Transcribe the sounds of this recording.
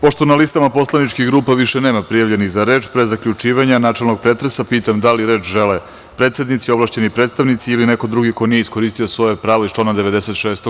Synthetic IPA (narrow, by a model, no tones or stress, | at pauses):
po̞ʂt̪o̞nalist̪amapo̞slˠanit͡ʃkixɡɾuːpaʋiʃene̞ːmapɾijaʋʎeniɣzaɾe̞ːt͡ʃpɾezakʎut͡ʃiːʋaɲanaːt͡ʃelˠnoɡ̚pɾe̞t̪ɾesapiːt̪amd̪aliɾe̞ːt͡ʃʒele | pɾet̪se̞d̪nit̪sio̞ʋlˠaʃt͡ɕe̞nipɾe̞t̪st̪aʋnit̪siiline̞ko̞d̪ɾuɡiko̞nijeisko̞ɾiːst̪io̞sʋo̞jepɾaːʋo̞istt͡ʃonad̪eʋe̞d̪ese̞t̪ʃeːst̪o